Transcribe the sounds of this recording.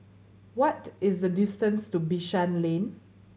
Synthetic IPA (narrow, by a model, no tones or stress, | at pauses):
wɔtɪsdədɪstə̃nstubiʃãnlẽn